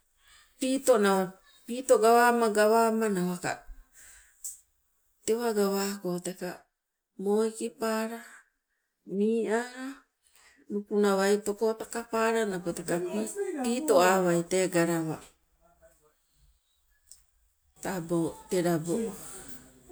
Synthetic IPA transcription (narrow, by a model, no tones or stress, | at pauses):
piːto̞nawa | piːto̞ɡaβaːmaɡaβaːmanawaka̰ | teβaɡaβaːkote̞ka | moikipaːɾa | miːʔaɾa | nupunawajtokotakapaːɾanapotekapiːto̞aːβajte̞ɡaɾaβa | tabote̞ɾabo